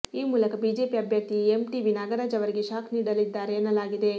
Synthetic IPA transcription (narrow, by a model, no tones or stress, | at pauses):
iːmuːlɐkɐbiːd͡ʒe̞ːpiɐbʱjɐk̚t̪iemʈiʋinaːɡɐɾaːd͡ʒɐʋɐɾiɡe̞ʃaːkʰniːɽɐlid̪ːaːɾeːnːɐlaːɡid̪e̞